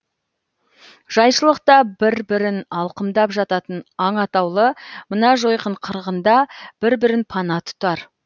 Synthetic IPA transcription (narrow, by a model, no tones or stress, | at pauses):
ʒ̥ɑjʃəlˠəq̚t̪ɑbɪɾbɪɾɪnɑlˠqəmd̪ɑpʒɑt̪ɑt̪ənɑɴɑt̪ɑwlˠəmənɑʒo̞jqəɴqʰəɾʁənd̪ɑb̥ɪɾbɪɾɪnpʰɑnɑt̪ʰʊ̥t̪ɑɾ